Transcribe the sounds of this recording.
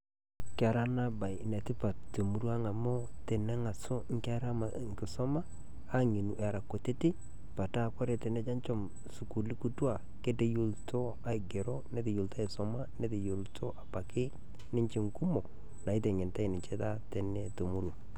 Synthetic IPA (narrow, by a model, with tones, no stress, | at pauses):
ka˨ɾa˦na˦ba˨jne˨tɪ˦pa˨to˨mu˨ɾwa˦ŋa˨mo˦ | te˨ne˦ŋa˨so˦ŋ˦ka˦ɾa˦ma˨ | ŋkɪ˨sɔ˦maː˦ | ŋi˨nu˨ʔe˨ɾa˨kːo˨te˦ti˦ | pa˨ta˦˨kɔ˦ɾe˨te˨ne˦d͡ʒa˦nt͡ʃo˦m | su˨ku˨li˦ku˦twa˨ | ke˦te˦ju˦lto˦ | a˦ɪ˨ɡe˨ɾo˦ne˦te˨jo˨lta˦i˨sɔ˨ma˦ne˦te˨jo˨ltʰo˦ʔa˨pa˨kɪ˦ | nɪ˦ɲt͡ʃɪ˨ŋku˦mo˨ | na˨ɪ˦te˨ŋɪ˨nta˦i˨nɪ˨t͡ʃe˦ta˦te˨ne˦to˨mu˦ɾwa˨